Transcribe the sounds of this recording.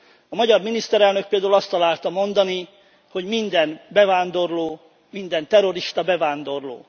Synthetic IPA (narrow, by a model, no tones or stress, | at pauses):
ɒmɒɟɒrminist̪ɛɾɛlnøk̚peːld̪aulɒst̪ːɒlaːlt̪ɒmo̞nd̪ɒni | ho̞ɟmind̪ɛnbɛvaːnd̪o̞rloː | mind̪ɛnt̪ɛɾo̞ɾiʃt̪ɒbɛvaːnd̪o̞rlo̰ː